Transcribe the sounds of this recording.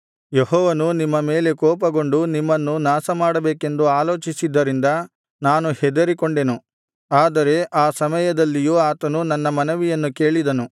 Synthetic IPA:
jeɦɔːʋɐnunimːɐme̞ːle̞kɔːp̬ɐɡo̞ɳɖunimːɐnːunaːsɐmaːɽɐbeːke̞nd̪uaːloːt͡ʃisid̪ːɐɾind̪ɐ | naːnuhɛd̪ɐɾikoɳɖenu | aːd̪ɐɾe̞ʔaːsɐmɐjɐd̪ɐlːijuaːt̪ɐnunɐnːɐmɐnɐʋijɐnːuke̞ːɭid̪ɐnu

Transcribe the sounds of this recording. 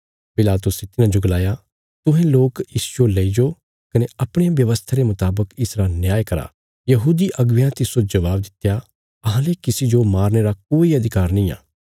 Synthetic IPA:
pɪlaːt̪ʊset̪ɪnãd͡ʒoɡɐlaːja | t̪ʊɦẽloːkɪsolɐid͡ʒo | kɐneɐpɽ̃ejãʋjɐʋəst̪ʰaɾemʊt̪aːbəkɪsɾanjaːjkɐɾa̰ | jɐɦuːd̪iʔɐɡʋjãt̪ɪsod͡ʒɐʋaːbd̪ɪt̪ja | ɐɦãlekɪsid͡ʒomaːɾneɾakoːiɐd̪ʱɪkaːɾnɐĩːa̰ː

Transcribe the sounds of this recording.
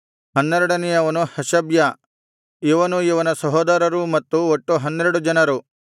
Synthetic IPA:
hɐnːɛɾɐɽɐnɛjɐʋɐnuhɐʃɐbjɐ | iʋɐnuiʋɐnɐsɐɦɔːd̪ɐɾɐɾumɐt̪ːuot̪ːuɦɐnːeɾɐɽud͡ʒɐnɐɾu

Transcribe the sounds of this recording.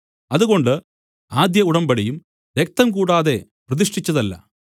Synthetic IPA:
ɐðuɣo̞ɳɖɨ | aːd̪jɐuɽɐmbɐɽɐjum | ɾek̚t̪ɐmk̬uːɽaːðe̞prɐðiʂʈit͡ɕːɐðɐlːɐ̰

